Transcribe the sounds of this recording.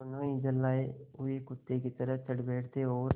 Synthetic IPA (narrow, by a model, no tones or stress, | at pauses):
ʊnõːiːd͡ʒəlːaːeːʊeːkʊt̪ːeːkiːt̪əɾət̪əɽbeːʈʰt̪eːɦoːɾ